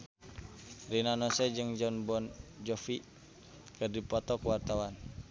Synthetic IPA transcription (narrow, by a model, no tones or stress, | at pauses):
rinanɔsɛd͡ʒɨŋd͡ʒɔnbɔnd͡ʒɔfi | kədipɔt̪ɔkuwart̪awan